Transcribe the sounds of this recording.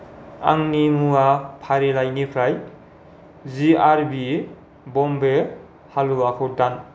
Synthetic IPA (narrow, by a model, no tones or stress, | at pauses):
a̰ŋnimuapʰaɾelajnipʰɾaj | ziaɾbi | bɔmbe | haluakʰɯtan